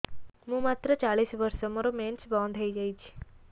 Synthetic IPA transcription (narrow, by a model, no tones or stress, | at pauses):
ɦũmat̪ɾət͡ʃaɭisʋəɾʃomoɾoment͡ʃbɔ̃nd̪ʱəid͡ʒajt͡ʃʰ